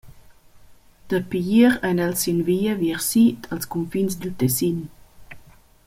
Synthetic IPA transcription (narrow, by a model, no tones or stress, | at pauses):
d̪̥əpiiɾɛnɛlsinviːəviɾsitʰalskunfinsd̪ut̪ɛsin